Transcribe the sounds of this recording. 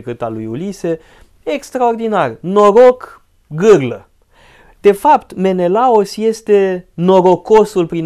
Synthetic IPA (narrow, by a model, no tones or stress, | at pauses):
kɨt̪alujulise̞ | ekst̪ɾao̞rd̪inarno̞ɾo̞k | ɡɨrlə | d̪̥e̞fapt̪me̞ne̞laosje̞st̪e̞no̞ɾo̞ko̞sulpɾin